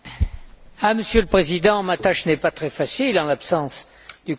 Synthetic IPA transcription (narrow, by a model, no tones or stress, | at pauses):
aməsjələpχezid̪ɑ̃mat̪aʃnɛpat̪χɛfasilɑ̃lapsɑ̃s | d̪̥y